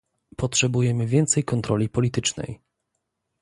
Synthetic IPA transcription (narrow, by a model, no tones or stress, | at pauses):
pɔtʂɛbujɛmɘvʲjɛnt̪sɛjkɔnt̪ɾɔlʲipɔlʲit̪ɘt͡ʂnɛ̰j